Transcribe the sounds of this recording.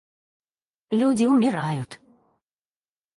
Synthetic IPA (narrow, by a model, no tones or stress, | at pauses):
lʲudʲɪʊmʲɪɾajʊt̪